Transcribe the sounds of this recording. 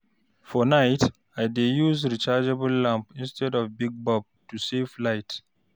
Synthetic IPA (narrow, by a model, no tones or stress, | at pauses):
fɔnaɪt | aɪdejuzɹit͡ʃad͡ʒɛbəlːãmpĩnstʰɛdɔvbiɡ̚bɔb̚tusevlaɪt